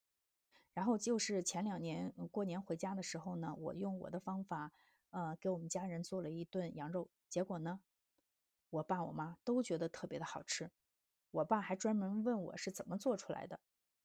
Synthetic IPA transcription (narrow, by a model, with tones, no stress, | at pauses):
ɻa˧˥nxo˥˧ʊt͡ɕjo˥˧ʊʂɻ̩˥˩t͡ɕʰjɛ˧˥nljɑ˨˩ŋnjɛ˧˥nkwɔ˥˩njɛ˧˥nxwe˧˥ɪt͡ɕja˥d̪ə˨ʂɻ̩˧˥xo˧ʊnə˩wɔ̰˨˩jʊ˥˩ŋwɔ̰˨˩d̪ə˦fɑ˥ŋfa˨˩˦ | ə˧ke˧˥ɪwɔ˨˩mə˦nt͡ɕja˥ɻə˧˥nt͡swɔ˥˩lə˩i˧˥t̪wə˥˩njɑ˧˥ŋɻo˥˩ʊt͡ɕjɛ˧˥kwɔ˨˩nə˦ | wɔ˨˩pa˥˩wɔ̰˨˩ma˥t̪o˥ʊt͡ɕɥɛ˧˥d̪ə˧t̪ʰɤ˥˩pjɛ˧˥d̪ə˧xɑ˨˩ʊʈ͡ʂʰɻ̩˥ | wɔ˨˩pa˥˩xa˧˥ɪʈ͡ʂwa˥nmə˧˥nwə˥˩nwɔ̰˨˩ʂɻ̩˥˩t͡sə˨˩nmə˦t͡swɔ˥˩ʈ͡ʂʰu˥la̰˧˥ɪd̪ə˧